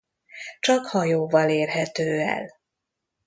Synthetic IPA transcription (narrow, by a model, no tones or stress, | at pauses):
t͡ʃɒkhɒjoːvɒleːrɦɛt̪øːɛ̰l